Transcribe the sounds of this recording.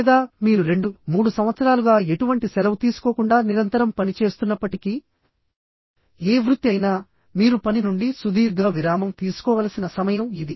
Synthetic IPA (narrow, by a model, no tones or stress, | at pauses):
d̪aːmiːɾuɾe̞ɳɖumuːɽusɐmʋɐt̪sɐɾaːluɡaːe̞ʈuʋɐɳʈisɛlɐmt̪iːsu̥koːkuɳɖaːniɾɐnt̪ɐɾɐmpɐnit͡ʃe̞ːst̪unːɐpːɐʈiki | eːʋɾut̪ːjɐjnaː | miːɾupɐninuɳɖisud̪iːɾɡaːʋiɾaːmɐmt̪iːsu̥kɔːʋɐːlɐsinɐsɐmɐjɐmid̪i